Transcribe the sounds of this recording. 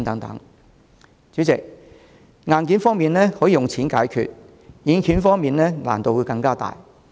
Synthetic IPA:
ŋt̪ɐ˨˥ŋt̪ɐ̰˨˥ŋ | t͡syː˨˥t͡sɪ˨k̚ | ŋaː˧nki˨˥nfɔː˥ŋmiː˨nlɛː˥hɔː˨˥jːjʊ˨ŋt͡sʰiː˨˥nkaː˨˥jkʰy̰ː˨t̚ | jiː˨˧nkʰyː˨˥nfɔː˥ŋmiː˨nlɛː˥la̰ː˨˩nt̪o˨wu˨˧˥kɐ˧ŋkaː˥t̪a̰ː˨j

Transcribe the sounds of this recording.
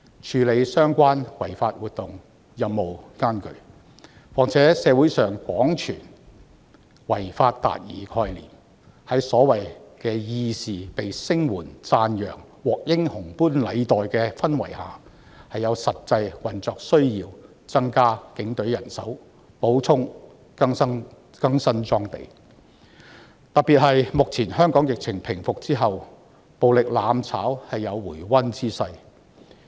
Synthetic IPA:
t͡ʃʰyː˨˧le˨˧jsœː˥ŋkʷaː˥nwɐ˨˩jfaː˧t̚wuː˨t̚t̪ʊ˨ŋ | jɐ˨mːo˨wkaː˥nkɵ̰˨˩ɥ | waː˨k̚t͡sʰɛː˨˥sɛː˨˧wu˨˥jsœː˨ŋkʷɔː˨˥ŋt͡ʃʰyː˨˩n | wɐ˨˩jfaː˧t̚t̪a̰ː˨t̚jiː˨˩kʰɔː˧jlḭː˨˩m | hɐ˨˥jsɔː˨˥wɐ˨jkɛː˧jiː˧siː˨pe˨jsɪ˥ŋwuː˨˩nt͡saː˧njœː˨˩ŋ | wɔː˨k̚jɪ˥ŋhʊ˨˩ŋpuː˥nlɐ˨˧jt̪ɔː˨jkɛː˧fɐ˥nwɐ˨˩jha̰ː˨ | hɐ˨jːɐ˨˧wsɐ˨t̚t͡sɐ˧jwɐ˨˩nt͡sɔː˨k̚sɵ˥ɥjiː˧w | t͡sɐ˥ŋkaː˥kɪ˨˥ŋt̪ɵ˨˥ɥjɐ˨˩nsɐ̰˨˥w | po˨˥wt͡sʰʊ˥ŋ | kɐ˥ŋsɐ˥ŋ | kɐ˥ŋsɐ˥nt͡sɔː˥ŋt̪ḛ˨˩j | t̪ɐ˨piː˨t̚hɐ˨jmʊ˨k̚t͡sʰiː˨˩nhœː˥ŋkɔː˨˥ŋjɪ˨k̚t͡sʰɪ˨˩ŋpʰɪ˨˩ŋfʊ˨k̚t͡siː˥ɦɐ˨w | po˨wlɪ˨k̚laː˨˧mt͡sʰa̰ː˨˥whɐ˨jːɐ˨˧wwuː˨˩jwɐ˥nt͡siː˥sɐ˧j

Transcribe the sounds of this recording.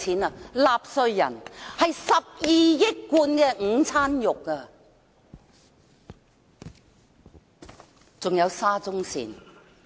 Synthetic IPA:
t͡sʰiː˨˥nɐ˧laː˨p̚sɵ˧ɥjɐ̰˨˩nhɐ˨jsɐ˨p̚jiː˨jɪ˥kːuː˧nkɛː˧ŋ̩˨˧t͡sʰaː˥njʊ˨kːɐ˧ | t͡sʊ˨ŋjɐ˨˧wsaː˥t͡sʊ˥ŋsḭː˨˩n

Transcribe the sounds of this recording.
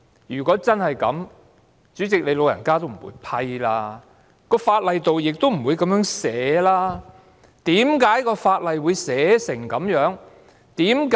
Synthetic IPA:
jyː˨˩kʷɔː˨˥t͡sɐ˥nhɐ˨jkɐ˨˥m | t͡ʃyː˨˥t͡sɪ˨k̚le˨˧jlo˨˧wjɐ̰˨˩nkaː˥t̪o˥wm̩˨˩wṵ˨˧jpʰɐ˧jlaː˧ | kɔː˧faː˧t̚lɐ˨jt̪o˨wjɪ˨k̚t̪o˥wm̩˨˩wuː˨˧jkɐ˧˥mjœː˨˥ŋsɛː˨˥laː˥ | t̪iː˨˥mkaː˨˥jkɔː˧faː˧t̚lɐ˨jwuː˨˧jsɛː˨˥sɪ˨˩ŋkɐ˨˥mjœː˨˥ŋ | t̪iː˨˥mkː

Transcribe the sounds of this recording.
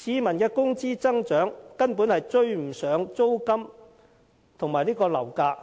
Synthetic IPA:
siː˨˧mɐ˨˩nkɛː˧kʊ˥ŋt͡siː˥t͡sɐ˥ŋt͡ʃœː˨˥ŋkɐ˥npuː˨˥nhɐ˨jt͡ʃɵ˧ɥm̩˨˩sœː˨˥ŋt͡so˥wkɐ˥m | t̪ʰʊ˨˩ŋmaː˨jnliː˥kɔː˧lɐ̰˨˩wkaː˧k̚

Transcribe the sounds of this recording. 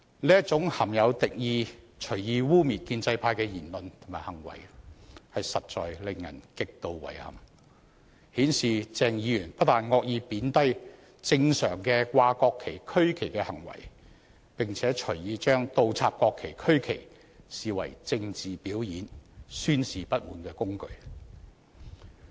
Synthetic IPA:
liː˥jɐ˥t͡sʊ˨˥ŋhɐ˨˩mjɐ˨˧wt̪ɪ˨k̚jiː˧ | t͡ʃʰɵ˨˩jiː˧wuː˥miː˨t̚kiː˧nt͡sɐ˧jpʰaː˧jkɛː˧jiː˨˩nlɵ˨nt̪ʰʊ˨˩maː˨˩jhɐ˨˩ŋwɐ̰˨˩jhɐ˨jsɐ˨t̚t͡ʃɔ̰ː˨jlɪ˨ŋjɐ̰˨˩nkɪ˨k̚t̪o˨˧wwɐ̰˨˩jhɐ̰˨˩m | hiː˨˥nsiː˨t͡sɛː˨˩ŋjiː˨˧˥jyː˨˩npɐ˥t̚t̪aː˨˩nŋɔː˧k̚jiː˨˧piː˨˥nt̪ɐ˥j | t͡sɪ˧ŋsœː˨˩ŋkɛː˧kʷaː˧kɔː˧kʰːe˨˩jkʰɵ˥ɥkʰe˨˩jkɛː˧hɐ˨˩ŋwɐ̰˨˩j | pɪ˨ŋt͡sʰɛː˨˥t͡ʃʰɵ˨˩jiː˨˧t͡ʃœː˥ŋt̪o˨wt͡sʰaː˧p̚kɔː˧kʰːe˨˩jkʰɵ˥ɥkʰḛ˨˩j | siː˨wɐ̰˨˩jt͡sɪ˧ŋt͡siː˨˩piː˨˥wjiː˨˥nsyː˥nsiː˨pɐ˥t̚muː˨˥nkɛː˧kʊ˥ŋkɵ˧ɥ

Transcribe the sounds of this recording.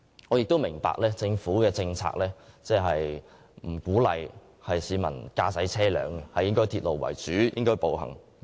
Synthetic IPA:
ŋɔː˨˧jɪ˨k̚t̪o˥wmɪ˨˩ŋpa̰ː˧˨k̚lɛː˥t͡sɪ˧ŋfuː˨˥kɛː˧t͡sɪ˧ŋt͡sʰa̰ː˧k̚lɛː˥t͡sɛː˥˩ɦɐ˨j | m̩˨˩kuː˨˥lɐ̰˨j | hɐ˨jsiː˨˧mɐ˨˩nkaː˧sɐ˨˥jt͡sʰɛː˥lœ̰ː˨˧ŋɡɛ˧hɐ˨jɪ˥ŋkɔː˥jt̪ʰiː˧t̚lo˨wwɐ̰˨˩jt͡syː˨˥jɪ̰˥ŋkɔː˥jpo˨whɐ̰˨˩ŋ

